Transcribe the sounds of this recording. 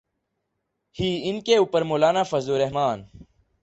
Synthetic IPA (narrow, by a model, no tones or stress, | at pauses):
hiːinkeuːpəɾmoːlaːnaːfɐzuːɾeɦmaːn